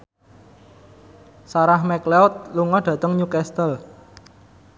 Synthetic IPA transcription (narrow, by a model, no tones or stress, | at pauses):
saɾahmɛkleɔt̪̚luŋɔɖ̥ä̤t̪əŋɲukɛst̪əl